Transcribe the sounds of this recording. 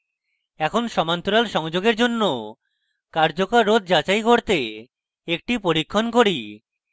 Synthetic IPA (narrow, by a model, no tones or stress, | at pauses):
ɛkʰonʃɔmant̪uɾalʃɔŋd͡ʑoɡeɾd͡ʑonːo | kaɾd͡ʑokaɾːod̪̚ʱd͡ʑat͡ɕajkoɾt̪e | ek̚ʈipoɾikʰːonkoɾi